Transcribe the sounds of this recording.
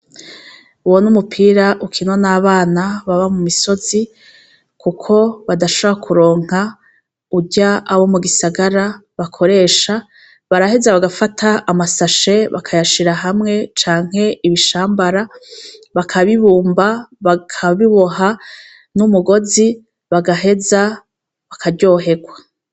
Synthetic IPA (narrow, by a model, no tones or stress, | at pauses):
uwonumupʰiːɾaʔukʰino̞naːβaːnaβaβamumiso̞zi | kukʰo̞βadaʃoβoɾakʰuɾo̞ːŋ̥ha | uɟaʔaβo̞muɡisaɡaɾaβakʰo̞ɾe̞ːʃa | βaɾahezaβaɡafatʰaːmasaʃe̞βa̰kʰajaʃiɾaɦamŋe̞t͡ʃaːŋ̥he̞ʔiβiʃaːmbaɾaβakʰaβiβuːmbaβakʰaβiβo̞ɦa | numuɡo̞zi | βaɡaɦe̞za | βakʰaɾɟo̞ːɦe̞ɡwa